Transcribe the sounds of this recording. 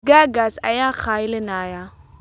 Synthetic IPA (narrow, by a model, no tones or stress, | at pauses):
ɡaɡasa̰jaːxaːjɪlɪnaːja